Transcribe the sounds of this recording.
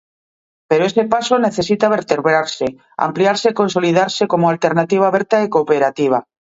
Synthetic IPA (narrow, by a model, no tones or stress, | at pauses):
peɾoesepasoneθesit̪aβeɾt̪eɾβɾaɾse | a̰mpliaɾsekonso̞lið̞aɾsekomoalt̪eɾnat̪iβaβeɾt̪aekopeɾat̪iβ̞a